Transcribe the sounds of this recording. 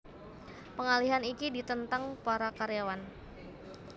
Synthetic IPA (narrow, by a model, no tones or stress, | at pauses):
pəŋaliɦanikidit̪ənt̪aŋpaɾakaɾjawan